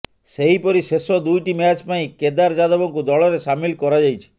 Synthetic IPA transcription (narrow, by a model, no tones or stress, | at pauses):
seɦipɔɾisesɔd̪ujʈimat͡ʃpaĩked̪aɾd͡ʒad̪ɔbɔŋkud̪ɔɭɔɾesamilkɔɾad͡ʒajt͡ʃʰi̥